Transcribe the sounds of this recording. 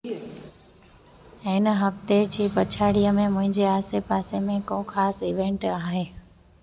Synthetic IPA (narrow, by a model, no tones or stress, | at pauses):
ɪnəɦɐft̪ed͡ʑiːpɐt͡ɕʰaːɽijəmẽmʊ̃ɦɪ̃ɲd͡ʑeaːsepaːsemẽkõːxaːsɪʋẽɳʈaːɦeː